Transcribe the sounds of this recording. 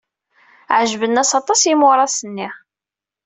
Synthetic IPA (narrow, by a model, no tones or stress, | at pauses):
ʕʒvənːæsɑt̪ˤɑsjimʊɾˤɑsənːi